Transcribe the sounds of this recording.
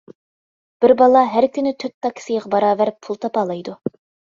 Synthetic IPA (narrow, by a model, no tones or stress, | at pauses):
b̥ɪɾbɑlˠɑɦæɾkʲʰynɪt̪ʰøt̪ːɑkʲʰːsɪjʁɑbɑɾɑːvæɾɪpʰːulˠt̪ʰɑpɑːlˠɑjd̪u